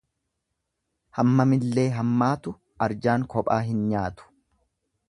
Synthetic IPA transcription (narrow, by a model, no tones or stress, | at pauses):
hɐmːɐmɪlːe̞ːɦɐmːaːt̪ʊ | ɐɾd͡ʒaːŋkɔpʼaːɦɪnɲaːt̪ʊ̥